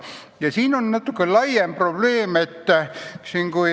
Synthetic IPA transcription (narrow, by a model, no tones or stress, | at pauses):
jɑsiːnonnɑt̪ːukːellɑjjemprob̥leːmet̪ːæsiŋɡ̥u